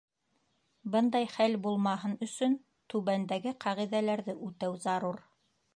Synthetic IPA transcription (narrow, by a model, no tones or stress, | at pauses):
bɤnd̪ɑjχælbulˠmɑɦɤnɵ̆sɵn | t̪ʉβænd̪æɡɘqʰɑʁiðælæɾðɘʔʉt̪æwzɑɾuɾ